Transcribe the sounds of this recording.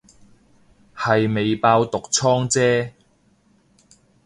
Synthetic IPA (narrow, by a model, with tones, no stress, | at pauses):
hɐ˨jme˨˧jpaː˧wt̪ʊ˨k̚t͡sʰɔː˥ŋt͡sɛː˥